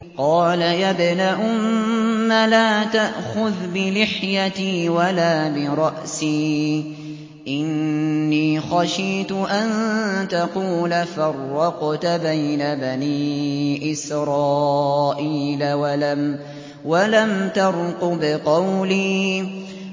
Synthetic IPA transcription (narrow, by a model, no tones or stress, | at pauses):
qɑːlajabnaʔʊmːalaːt̪aʔxʊðbɪlɪħjat̪iːwalaːbɪɾˤɑʔsiː | ʔɪnːiːxaʃiːt̪ʊʔant̪ɑquːlafɑrˤːɑqt̪bajnabaniːʔɪsɾˤɑːʔiːlawalam | walamt̪ɑɾˤqʊbɪqɑwliː